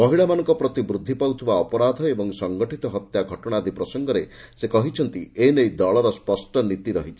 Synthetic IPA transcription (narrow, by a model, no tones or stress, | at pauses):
mɔɦiɭamanɔŋkɔpɾɔt̪ibɾud̪ʱːipawt̪ʰibaɔpɔɾad̪ʱɔebɔŋsɔŋɡɔʈʰit̪ɔɦɔt̪jaɡʱɔʈɔɽ̃aːd̪ʱipɾɔsɔŋɡɔɾesekɔɦit͡ʃʰɔnt̪ienejd̪ɔɭɔɾɔspɔsʈɔnit̪iɾɔɦit͡ʃʰi̥